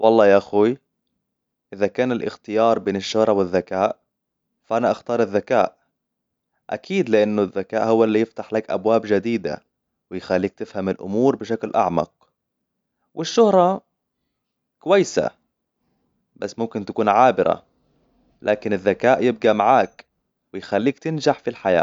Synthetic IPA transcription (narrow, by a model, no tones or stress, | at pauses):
wʔɑlˤːɑːjaʔaxu | ʔɪðakaːnɪlʔɪ̰xt̪ɪjɑːɾˤbeːnɪʃːʊhɾˤɑwɪðːakaːʔ | faʔanaʔaxt̪ɑːɾˤɪðːakaːʔ | ʔa̰kiːd̪lɪʔanːʊðːakaːʔhʊwːaʔlːiːjɪft̪aħlakʔa̰bwaːbd͡ʒad̪iːd̪a̰ | wɪjɪxalːiːk̚t̪ɪfhamɪlʔʊ̰muːɾbɪʃ̬aklʔɑ̰ʕmɑ̰q̚ | wʔɪʃːʊhɾˤɑ | kʊwajːsa̰ | basːmʊmkɪnt̪ḁkuːnʕaːbɪɾa̰ | lʔaːkɪnɪðːakaːʔjɪb̚ɡamaʕaːk | wɪjxalːiːkt̪ɪnʒaħfilħaja̰ː